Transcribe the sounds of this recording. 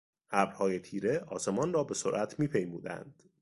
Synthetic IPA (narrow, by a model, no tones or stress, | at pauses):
hæbɾhɒːje̞t̪ʰiːɾe̞ʔɒ̰ːse̞mɒnrɒːbe̞soɾʔæt̪ʰmiːpʰe̞jmuːd̪æ̰nd̪̥